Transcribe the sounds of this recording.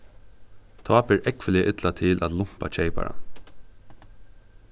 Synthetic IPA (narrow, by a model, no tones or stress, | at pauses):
t̪ʰɑːbɪɹʔɛkʋəlɪəʔɪt̪lat̪ʰɪlʔæt̪lʊm̥pa̰t͡ʃʰeɪpa̰ɹa̰